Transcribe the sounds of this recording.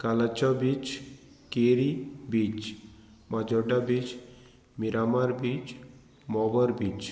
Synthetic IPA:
kalat͡ʃɔbit͡ʃ | keɾibit͡ʃ | mad͡ʒɔɖabit͡ʃ | miɾamaɾbit͡ʃ | mɔʋɔɾbit͡ʃ

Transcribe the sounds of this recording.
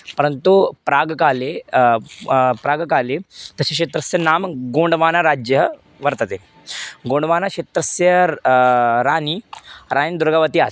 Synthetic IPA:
pəɾənt̪upɾaɡkale | pɾaːɡkalet̪əɕekɕet̪ɾəsjənamɡoɳɖʋanaɾad͡ʑjəɦ | ʋəɾt̪ət̪e | ɡoɳɖʋanakɕet̪ɾəsjə | ɾaniɾanid̪uɾɡaʋət̪iːas

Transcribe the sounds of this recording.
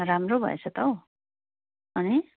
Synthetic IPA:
ɾamrobʱʌ̰ḛt͡sʰʌt̪ʌw | ʌni

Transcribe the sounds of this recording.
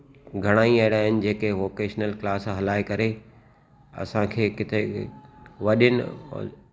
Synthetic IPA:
ɡʱɐɽ̃aːiɐɪɽaːɦɪnɪ̆d͡ʑeːkeʋoːkeːʃnəlklaːsɦɐlaːekɐɾe | ɐ̰sãkʰeːkɪt̪ʰe | ʋɐɗɪnɪ

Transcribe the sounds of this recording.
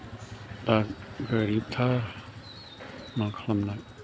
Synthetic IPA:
t̪aɡəɾip̚t̪ʰa | makʰlamnak̚

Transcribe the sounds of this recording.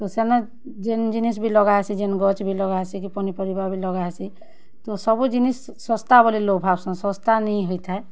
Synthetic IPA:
t̪osena | d͡ʒend͡ʒinis̬bʱilɔɡaesid͡ʒenɡɔt͡ʃbʱilɔɡaesikipɔnipɔɾibabʱilɔɡaesi | t̪osɔbud͡ʒinisːɔ̃st̪abɔlilobʱabsɔ̃sɔ̃st̪anɛĩɦoit̪aɛ

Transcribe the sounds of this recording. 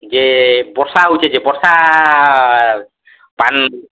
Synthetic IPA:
d͡ʒebɔɾsaɦut͡ʃʰed͡ʒebɔɾsa | ban

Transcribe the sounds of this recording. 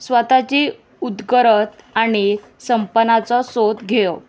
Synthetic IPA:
sʋət̪at͡ɕe | ud̪ɡəɾət̪aɽ̃i | səmpənat͡sɔsot̪ɡʱejo

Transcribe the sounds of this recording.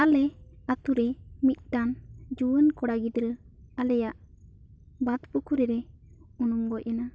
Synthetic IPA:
alɛat̪uɾɛmit̪̚ˀʈand͡ʒuwənkɔɽaɡid̪ɾəalɛjaʔ | bat̪pukuɾɛɾɛɔnɔŋɡɔʔɛna

